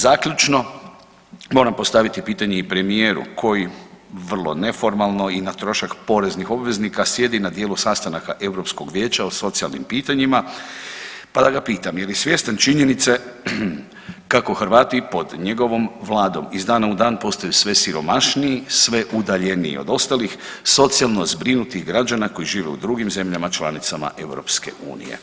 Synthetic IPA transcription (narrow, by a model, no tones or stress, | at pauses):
zaːkʎut͡ʃno̞ | mo̞ːɾampo̞st̪aʋit̪ipiːt̪aɲeipɾe̞mije̞ːɾṵkʰo̞jiʋr̩lˠo̞̰ne̞fo̞ɾmalˠno̞inat̪ɾo̞ʃakpo̞ɾe̞znixo̞bʋe̞znikasje̞d̪inad̪jeːlusast̪anakaʔe̞wɾo̞psko̞ɡʋjeːt͡ʃaoso̞t̪sia̰lˠnḭmpiːt̪aɲima | pad̪aɡapiːt̪amjeljesʋje̞st̪ant͡ʃiɲenit̪se̞ | kakoxɾʋaːt̪ipo̞d̪ɲe̞ɡo̞ʋo̞mʋlˠaːd̪o̞mizd̪aːnaud̪aːnpo̞st̪ajusʋe̞siɾo̞maʃniisʋe̞ʔud̪aʎe̞niḭo̰d̪o̞st̪alix | so̞t̪sijalˠno̞zbɾinut̪ixɡɾad͡ʒanako̞jiʒiːʋḛṵd̪ɾuɡimze̞mʎamat͡ʃlˠanit̪sama̰ʔe̞wɾo̞̰pskḛʔṵːnḭjḛ